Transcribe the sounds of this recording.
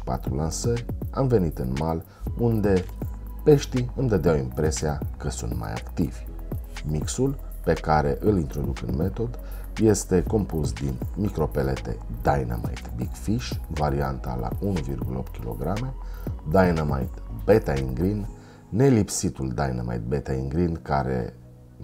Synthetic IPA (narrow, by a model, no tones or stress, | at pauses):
pa̰t̪ɾulansərʲamve̞nit̪ɨnmal | und̪e̞ | pe̞ʃt̪iɨmd̪əd̪eawimpɾe̞siakəsunt̪ma̰ja̰kt̪iv̥ʲ | miksul | pe̞kaɾe̞ʔɨlint̪ɾo̞d̪ukɨ̰nme̞t̪o̞d̪ | je̞st̪e̞ko̞mpusd̪inmikɾo̞pele̞t̪e̞̰d̪ajnə̰ma̰jt̪bikfiʃvaɾiant̪a̰la̰unuvirɡuləo̞pt̪̚kʲilo̞̰ɡɾame̞d̪ajnəma̰jt̪bet̪aiŋɡɾinː | e̞lipsit̪uld̪ajnə̰ma̰jt̪̚bet̪aiŋɡɾinkaɾe̞̰